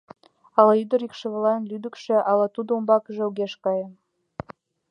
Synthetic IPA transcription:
ɑlɑyd̪ə̆ɾikʃĕβlɑjənlyd̪əkʃĕʔɑlɑt̪ud̪oumbɑkəʒĕuɣeʃkɑjəm

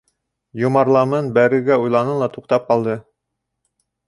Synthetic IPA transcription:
jŏmɑɾlˠɑmɤnbæɾɘ̆ɡæujlˠɑnɤlˠɑt̪uqt̪ɑp̚qɑlˠd̪ɤ

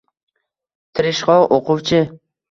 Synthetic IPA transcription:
t̪ʰɪɾɪʃχɒwʔoqʰʊwt͡ʃʰɪ

